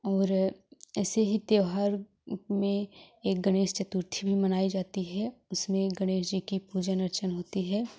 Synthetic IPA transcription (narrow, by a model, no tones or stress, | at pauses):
ɔːɾɛːseɦit̪jeːʋɦaːɾ | mẽeːk̚ɡɐɽ̃eːʃt͡ʃɐt̪ʊɾt̪ʰibʱimɐnaːid͡ʒaːt̪iɦɛʊsmẽɡɐɽ̃eːʃ̬d͡ʒikipuːd͡ʒənɐɾt͡ʃənɦoːt̪iɦɛː